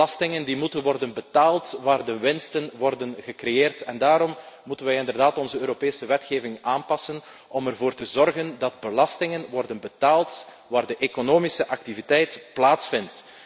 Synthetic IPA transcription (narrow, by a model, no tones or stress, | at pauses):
ɑstɪŋəndimutənʋɔrdənbətaːlˠtʋaːrdəʋɪnstənʋɔrdənɣəkrejeːrtɛndaːɾɔmmutənʋɛjɪndərdaːtɔnzəøːɾopeːsəʋɛtxeːvɪŋaːnpɑsən | ʔɔmərvoːrtəzɔrɣəndɑd̚bəlɑstɪŋənʋɔrdənbətaːlˠt | ʋaːrdəʔekonoːmisəʔɑk̚tivitɛjtplaːtsfɪnt